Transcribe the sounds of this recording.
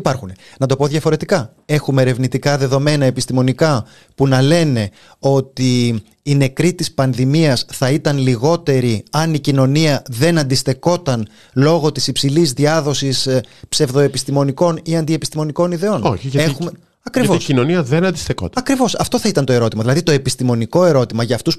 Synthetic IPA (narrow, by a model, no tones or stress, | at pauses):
ipɐɾxune̞ | nɐt̪o̞po̞ðjʝɐfo̞ɾe̞t̪ikɐ | e̞xume̞ːɾe̞vnit̪ikɐðe̞ðo̞me̞nɐe̞pist̪imo̞nikɐ | punɐle̞ne̞ | o̞t̪iː | ne̞kɾit̪ispɐnðimiɐsθɐit̪ɐnliɣo̞t̪e̞ɾiɐnicino̞niɐðe̞nɐnd̪ist̪e̞ko̞t̪ɐn | lo̞ɣo̞t̪isipsilizðiɐðo̞sispse̞vðo̞e̞pist̪imo̞niko̞niɐnd̪ie̞pi̥st̪imo̞niko̞niðe̞o̞noçiʝɐexume | ɐkɾivɐvocinoniɐðenɐnd̪isθeko̞̰t̪ɐɐkɾivo̞sɐft̪oθɐit̪ɐnt̪o̞e̞ɾo̞t̪imɐðilɐðit̪o̞e̞pist̪imo̞niko̞e̞ɾo̞t̪imɐʝɐːft̪us